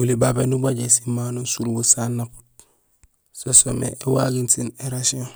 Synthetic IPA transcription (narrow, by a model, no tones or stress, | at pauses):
ulibabenubaɟesimanunsuɾubusanːapu̥t̚ | sosomḛʔewaɡintineɾasio